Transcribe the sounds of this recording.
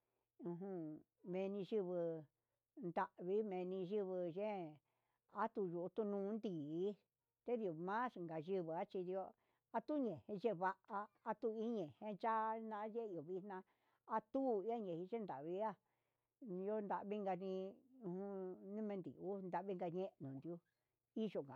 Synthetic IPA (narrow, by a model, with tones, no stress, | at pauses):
ũ˧ɦũ˧ | mẽ˧nĩ˧ʒɨ˧βɨ˧ | nd̪a˧ʔβi˦mẽ˧nĩ˧ʒɨ˦βɨ˧ʒẽ˦ | a˦t̪u˧ju˧ʔt̪u˧nũː˧˦nd̪i˨˦ | t̪e˦d̪i˧o˨mã˦sŋɡa˨ʒɨ˧βɨ˨a˦t͡ʃi˧d̪i˧o˧ | a˧t̪u˦ɲẽ˨hẽ˧ʒe˦βa˧ʔaː˧t̪u˧i˦ɲẽ˨hẽ˧t͡ʃa˦˧nã˧˦ʒe˦i˧˨o˨βi˧nnã˧ | a˧t̪u˦˨i˦a˦ɲẽ˨hi˧ʒẽ˦nd̪a̰˨βi˧˦a˦˧ | o˦˧nd̪a˧ʔβi˦ŋɡa˧nĩ˧ũ˧hũ˧nĩ˦mẽ˧nd̪ḭ˨u˦nd̪a˧βi˦ŋɡa˧ɲẽ˦˧nũ˨nd̪u˧ | i˦ʒo˧ŋɡa̰˨